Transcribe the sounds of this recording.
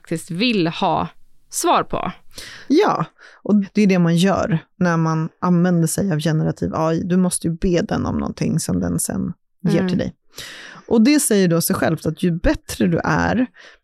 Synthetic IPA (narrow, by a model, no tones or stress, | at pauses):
ak̚t̪ɪst̪vɪlhɑ̰ːsvɑːɾpʰɔ̰jɑ̰ːʔɔd̪̥ɛʉɖɛmanjœ̰ːɾnæɾmanʔanvɛnd̪əʂɛjavjɛnəɾat̪ʰḭːvɑːd̪ɵmɔst̪əjɵbeːd̪ɛnːɔ̰mnɔ̰nt̪ʰɪŋːsɔmd̪ɛ̰nsɛ̰n | jeːʈʰɪld̪ɛ̰j | ʔɔd̪ɛsɛjːəɖosɛjɧɛlft̪at̪ʰjɵbɛt̪ɾəd̪ɵ̰ʔæ̰ɾ